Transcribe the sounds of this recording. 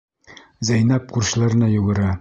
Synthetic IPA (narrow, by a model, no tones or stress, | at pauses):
zæjnæp̚quɾɕ̆lˠɑɾɘ̆nɑjuʁɤ̆ɾɑ